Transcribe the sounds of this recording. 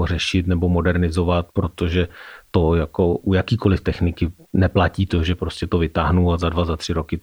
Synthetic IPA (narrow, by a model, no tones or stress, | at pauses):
or̝ɛʃɪt̪nɛbo̞mo̞dɛɾnɪzo̞vat̪̚pɾo̞t̪o̞ʒɛt̪o̞jako̞ʔujakiːko̞lɪft̪ɛxnɪkɪ | nɛplaciːt̪oʒɛpɾoscɛt̪o̞vɪt̪aːɦnuazadvazat̪r̝̥ɪɾokɪ